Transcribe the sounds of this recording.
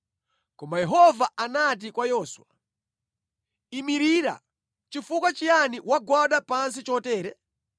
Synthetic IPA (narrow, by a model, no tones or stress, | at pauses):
kɔmbajɛɦɔvaanat̬ikwajɔːswa | imiɾiːɾa̰ | t͡ʃifukwat͡ʃijaniwaɡwaɗapansit͡ʃɔtɛːɾɛ